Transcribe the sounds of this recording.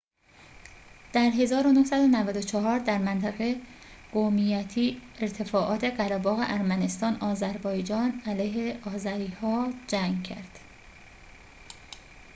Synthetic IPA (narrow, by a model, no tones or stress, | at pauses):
d̪̥æɾɦe̞zɒːɾonohsæd̪o̞nævæd̪o̞t͡ʃʰɒɦɒːɾd̪æɾmænt̪ʰæɣe̞ | ɡ̥omijæt̪ʰiːeɾt̪ʰe̞fɒːʔɒːt̪ʰe̞ɢæɾæbɒːɣe̞̰ʔæɾmæne̞st̪ɒːnɒːzæɾbɒːjd͡ʒɒːnælæjɦe̞ɒːzæɾiːhɒːd͡ʒæŋɡcʰæ̰ɾd̪̥